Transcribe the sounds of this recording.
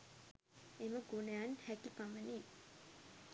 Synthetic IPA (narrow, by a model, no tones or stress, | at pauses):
eməɡunəjanhækipaməni